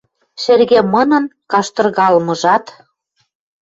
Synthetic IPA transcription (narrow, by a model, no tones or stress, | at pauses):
ʃerɣemɤ̆nɤ̆nkɑʃt̪ɤ̆rɣɑlmɤ̆ʒɑt̪